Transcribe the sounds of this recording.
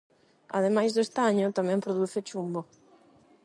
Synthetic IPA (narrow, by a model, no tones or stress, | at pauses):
a̰ðemajzðʊest̪aɲot̪amɛ̃mpɾoðuθɪt͡ʃumbo